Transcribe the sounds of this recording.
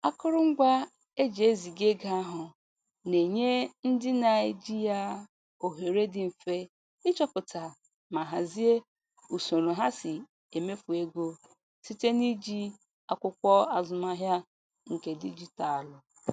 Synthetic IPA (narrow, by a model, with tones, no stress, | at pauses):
a˦kʊ˦ɾʊ˦ŋ̩˦ɡʷa˦ | e˦d͡ʒi˨e˦zi˨ɡe˦ɡa˨a˦ɦʊ˨ | ne˨ɲe˦n̩˦dɪ˦na˨e˨d͡ʒi˦ja˦ | o˨ɦe˨ɾe˦dɪ˨m̩˨fe˦ | ɪ˦t͡ʃɔ˦pʊ˨ta˨ | ma˨ɦa˨zi˦e˦ | u˨so˨ɾo˨ɦa˦sɪ˨ | e˨me˦fu˨e˦ɡo˦ | si˦te˦ni˦d͡ʒi˦ | a˨kʷʊ˦kʷɔ˦a˨zʊ˨ma˦ɦja˦ | ŋ̩˨ke˨di˦d͡ʒi˦ta˨a˨lʊ˨